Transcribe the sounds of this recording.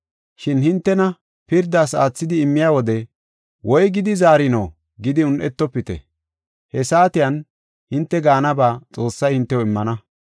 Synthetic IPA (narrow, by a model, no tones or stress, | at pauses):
ʃɪnhɪnt̪ːɛnɐ | pɪɾd̪aːsaːt͡sːɪd̪ɪːmːɪjaːwɔd̪ɛ | wʔɔjɡɪd̪ɪzaːɾɪnɐw | ɡɪd̪ɪʊnʔɛt̪ːɔpːɪt̪ɛ̰ | hɛsaːt̪ɪjɐn | hɪnt̪ːɛɡaːnɐbaːt͡sʼo̞ːsːɐjhɪnt̪ːɛwɔɪmːɐnɐ